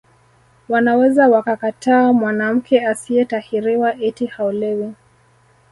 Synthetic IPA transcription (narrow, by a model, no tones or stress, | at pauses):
wanawɛzawakakataːmwanam̩kʰɛasiɛtahiɾiwaʔitihaulɛwi